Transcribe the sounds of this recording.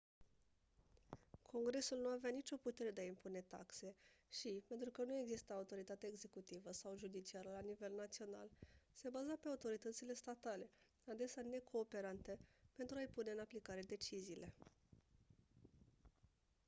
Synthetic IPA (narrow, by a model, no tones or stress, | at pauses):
kʰo̞ŋɡɾe̞sulnuaveanit͡ʃʲo̞put̪e̞ɾe̞d̪e̞aimpune̞t̪a̰kse̞ʃipe̞nt̪ɾukənue̞ɡzist̪əaut̪o̞ɾit̪at̪eeeɡze̞kut̪ivəsawʒud̪it͡ʃiaɾəlanive̞lnat̪sio̞na̰lse̞bazape̞aut̪o̞ɾit̪ət̪sile̞st̪at̪ale̞ | ad̪e̞sane̞kʰo̞ːpe̞ɾant̪e̞pe̞nt̪ɾuajpune̞ɨnaplikaɾe̞d̪e̞t͡ʃiziːlʔe̞